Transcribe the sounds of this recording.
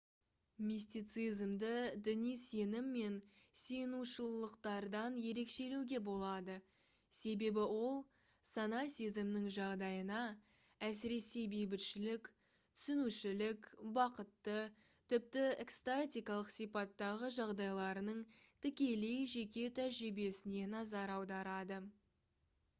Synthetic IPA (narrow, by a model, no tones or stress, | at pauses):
mist̪ijt̪sɨjzmd̪əd̪ɪnijse̞nɪmːe̞nse̞nuʃəllˠəqt̪ɑɾd̪ɑnje̞ɾe̞kʃe̞lewɡʲe̞bo̞lˠɑd̪ə | se̞be̞bɪwo̞lˠ | sɑnɑsʲizɪmnɪŋʒɑʁd̪ɑjənɑ | æsɪɾe̞sejbejbɪt̪ʃɪlɪk | t̪ʰʏ̥sʏnuʃɪlɪkbɑqət̪ːə | t̪ʰɪp̚t̪ɪekst̪at̪ʲijkɑlˠəqsijpɑt̪ːɑʁəʒɑʁd̪ɑjlˠɑɾənəɴt̪ʰɪkʲe̞le̞jʒe̞kʲe̞t̪ʰæʒɾɪbe̞sɪne̞nɑzɑɾɑwd̪ɑɾɑd̪ə